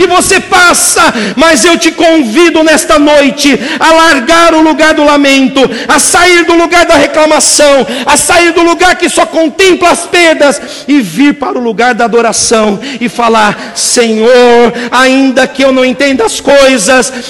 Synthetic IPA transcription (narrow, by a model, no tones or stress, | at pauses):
ɪvosepasɐmɐzewt͡ʃɪkõvid̪ʊnɛst̪ɐnojt͡ʃɪɐlaɾɡaɾʊluɡaɾd̪ʊlamẽnt̪ʊ | ɐsaiɾd̪ʊluɡaɾd̪ɐheklamasɐ̃w̃ɐsaiɾd̪ʊluɡaɾkɪsɔkõnt̪ẽmplɐːspeɾd̪ɐs | ɪviɾpaɾʊluɡaɾd̪ɐad̪oɾasɐ̃w̃ɪfalaɾ | sẽɲoɾaĩnd̪ɐkɪewnɐ̃w̃ẽnt̪ẽnd̪ʊɐskojzɐs